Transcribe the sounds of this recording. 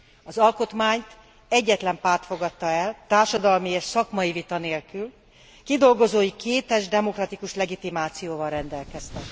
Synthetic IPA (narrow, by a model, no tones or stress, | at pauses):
ɒzɒlko̞t̪maːɲt̪ | ɛɟːɛt̪lɛmpaːrt̪fo̞ɡɒt̪ːɒɛlt̪aːrʃɒd̪ɒlmieːʃsɒkmɒjivit̪ɒneːlkyl | kid̪o̞lɡo̞zoːjikʰeːt̪ɛʒd̪ɛmo̞krɒt̪ikuʃlɛɡit̪imaːt̪sijoːvɒlrɛnd̪ɛlkɛst̪ɛk